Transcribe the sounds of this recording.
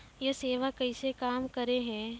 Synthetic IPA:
jeseːʋakɐɪsekaːmkɐɾeɦɛ̃ː

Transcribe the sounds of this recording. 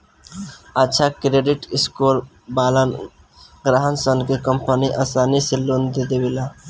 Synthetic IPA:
ətːʃʰakɾeːɖɪʈɪskoːɾ | baːlən | ɡɾaɦənsənkekəmpəniʔaːsaːniseloːnd̪ed̪ewila

